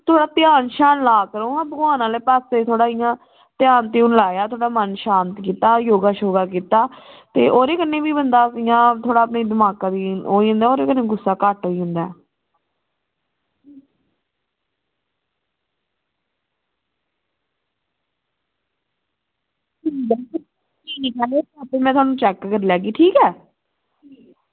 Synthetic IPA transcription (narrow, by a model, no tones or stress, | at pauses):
t̪ʰʊaːɽaːt̪ɪjaːnʃaːnlaːkəɾõːãːbəɡʋaːnãːleːpaːset̪ʰoːɽaːɪjãː | t̪ɪjaːnt̪iːʊnlaːjaːt̪ʰoːɽaːmənʃaːnt̪kiːt̪aːjoːɡaːʃoːɡaːk̬iːt̪aːt̪eːʔoːɾeːkənːẽːbiːbənd̪aːsɪjãːt̪ʰoːɽaːəpneːd̪ɪmaːkãːd̪iːoːiːɦʊ̃nd̪aːoːɾeːkənːeːɡʊsːaːkəʈɦoːiːɦʊ̃nd̪aɛ̰ː | ibɪlkl | d͡ʒiːkɛːloapeːmɛ̃ːt̪ʰoaːnũːt͡ʃɛːkkəɾːlɛːɡiːʈʰiːkɛː